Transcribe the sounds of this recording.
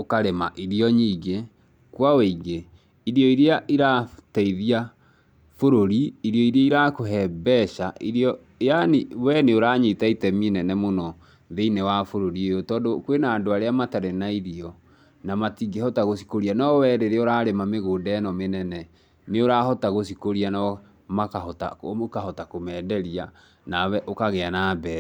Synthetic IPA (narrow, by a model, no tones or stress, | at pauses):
okaɾema̰ʔiɾiɔɲiːɡe | kwaweiɡe | iɾiɔiɾeaʔiɾatɛiðia | foɾoɾiiɾjɔiɾeaiɾakoɦɛbɛɕaʔiɾjɔ | eanewɛneoɾaɲetaitɛminɛnɛmonɔ | ðeinɛwafoɾoɾiejotɔːndokwenaːndoaɾeamataɾenaiɾiɔ | namatiɡehɔtaɣosi̥koɾianɔwɛɾeɾeoɾaːɾemameɣoːndaːnɔmenɛnɛ | neoɾahɔtaɣosikoɾianɔ | makahɔta̰okahɔtakomɛːdɛɾia | nawɛʔokaɣeanaːbɛː